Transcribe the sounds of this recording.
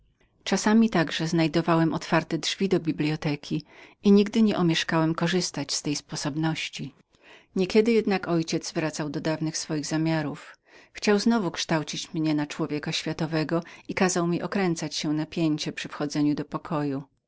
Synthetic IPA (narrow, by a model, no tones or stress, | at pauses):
t͡ʂasamʲit̪aɡʐɛznajd̪ɔvawɛmʔɔt̪faɾt̪ɛdʐvʲid̪ɔbʲiblʲiɔt̪ɛkʲʰiiɲiɡd̪ɘɲɛʔumʲjɛʂkawɛmkɔʐɘst̪at͡ɕst̪ɛjspɔsɔbnɔɕt͡ɕi | ɲɛkʲɛd̪ɘjɛd̪nakɔjt͡ɕɛd̪zvɾat̪sawd̪ɔd̪avnɘxsfɔjiɣzamʲjaɾuf | xt͡ɕawznɔvukʂt̪awt͡ɕit͡ɕmɲɛnat͡ʂwɔvʲjɛkaɕfʲjat̪ɔvɛɡɔikazawmʲiʔɔkɾɛnt̪sat͡ɕɕɛnapʲjeɲt͡ɕɛpʂɘfxɔd̪zɛɲud̪ɔpɔkʰɔju